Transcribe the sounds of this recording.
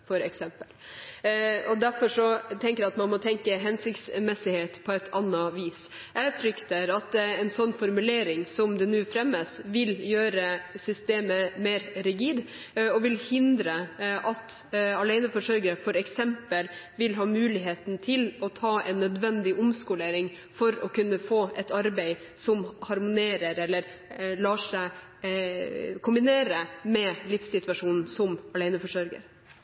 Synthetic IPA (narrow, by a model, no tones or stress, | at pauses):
fɔɾɛksɛmpəl | ɔd̪æɾfɔʂɔt̪ʰɛŋkəɾɛæɑt̪mɑnmɔt̪ʰɛŋkəɦɛnsɪkt̪smɛsɪheːt̪pʰɔɛt̪ʰːɑnːɑʋiːs | ʔɛfɾʏkt̪əɾɑt̪̚ɛnsɔnːfɔɾmʉleːɾɪŋsɔmd̪ɛnʉːfɾɛmːəsʋɪljøːɾəsʏst̪eːməmeːɾɾɪɡiːd̪ | ɔʋɪlhɪnd̪ɾəʔɑt̪ɑlæɪnəfɔʂœɾɡəɾəfɔɾɛksɛmpəl | ʋɪlɦɑːmʉːlɪɦeːt̪nt̪ʰɪlɔt̪ʰɑːɛ̰ɪnːœd̪ʋɛnd̪ɪʔʊmskʊleːɾɪŋ | fɔɾɔkʉnːəfoːɛt̪ɑɾbæɪ | sɔmhɑɾmʊneːɾəɾɛlːəɾ | lɑːʂæɪ | kʰʊmbɪneːɾəmɛlɪfsɪt̪ʋɑʂuːnn̩sɔmɑlæɪnəfɔʂœɾɡə̰ɾ